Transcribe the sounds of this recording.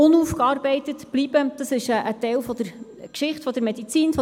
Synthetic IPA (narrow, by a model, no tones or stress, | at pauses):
ʊnufkɑːɾbɛɪtətb̥lib̥əd̥ɑsɪʃəʔətɛlfɔd̥̪əɾ | kʃɪχtfɔd̪əɾmɛd̥it͡siːnfɔ